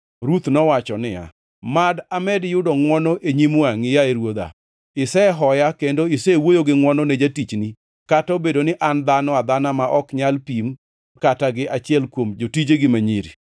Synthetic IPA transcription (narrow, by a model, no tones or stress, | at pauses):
ɾut̪nɔwat͡ʃɔnɪja̰ | madamɛdjʊdɔŋwɔnɔʔeɲimoaŋɪjaeɾwod̪a̰ | ɪsɛɦɔjakendoɪsɛwojoɡɪŋwɔnɔned͡ʒatit͡ʃni | katɔbedonɪʔand̪anɔad̪anamaʔɔkɲalpim | kataɡɪʔat͡ʃɪɛlkwomd͡ʒotid͡ʒeɡɪmaɲiɾi